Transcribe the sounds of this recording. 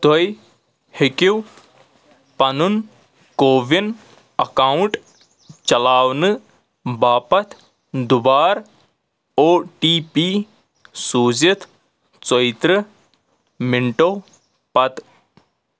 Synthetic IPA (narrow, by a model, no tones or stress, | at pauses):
t̪oj | hikiw | pɐnun | koːʋin | ɐkaːwɳʈ | t͡ʃɐlaːwnɨ | baːpɐt̪ʰ | d̪ubaːɾ | oːʈiːpi | suːzit̪ʰ | t͡sojt̪ɾɨ | mɪɳʈoː | pɐt̪